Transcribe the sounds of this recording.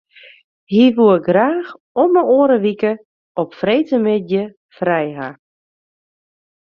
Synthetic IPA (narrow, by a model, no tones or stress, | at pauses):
hiʋuɡraːx | ɔməoːɾəʋikə | ɔpfreːtəmɪtjə | frɛjɦa̰